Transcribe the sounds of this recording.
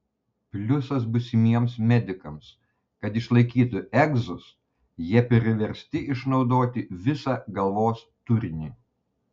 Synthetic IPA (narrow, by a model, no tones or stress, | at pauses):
pʲlʲʊsɐs̬bʊsʲɪmʲiɛmsmʲɛd̪ʲɪkɐms | kɐt̪ɪʃlˠɐɪkʲiːt̪ʊʔɛɡzʊs | jiɛpʲɾʲɪʋʲɛɾʲsʲt̪ʲɪʔɪʃnɒʊd̪oːt̪ʲɪʋʲɪsɐɡɐlˠʋoːs | t̪ʊɾʲɪnʲi